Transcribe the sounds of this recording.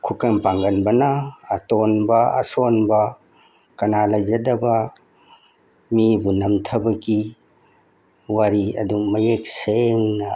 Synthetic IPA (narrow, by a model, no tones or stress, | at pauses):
kʰukɐnpaŋɡɐnbɐnɐːtonbɐa̰sonbɐ | kɐnalɐd͡ʒɐdɐbɐ | mibunɐmtʰɐbɐɡi | waɾiɐ̰dumɐjek̚seŋnɐ